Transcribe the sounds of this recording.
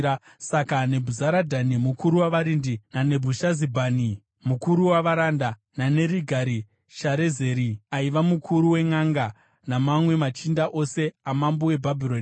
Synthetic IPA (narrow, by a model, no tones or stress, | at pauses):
sakane̞bʱuzaɾadʱanimukuɾuwaʋaɾindinane̞bʱuʃazibʱaːni | mukuɾuwaʋaɾanda | nane̞ɾiɡʱaɾi | ʃaɾe̞ze̞ːɾiaiʋamukʰuɾuwe̞ŋaŋɡa | namamwe̞mat͡ʃindaʔo̞se̞amambowe̞bʱabʱiɾon